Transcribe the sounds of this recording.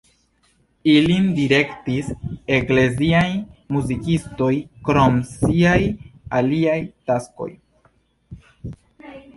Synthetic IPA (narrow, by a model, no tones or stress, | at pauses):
ilindiɾe̞ktise̞kle̞ziajmuzikisto̞jkɾo̞msiajaliajtasko̞̰j